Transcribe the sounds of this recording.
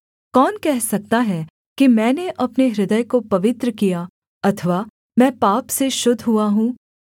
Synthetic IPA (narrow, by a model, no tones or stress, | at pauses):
kɔːnkɛɦsɐk̚t̪aɦɛ | kimɛ̃ːneʔɐpneɾɪd̪əjkopɐʋɪt̪ɾəkijaː | ɐt̪ʰəʋaː | mɛ̃ːpaːpseʃʊd̪ʱɦuaɦũː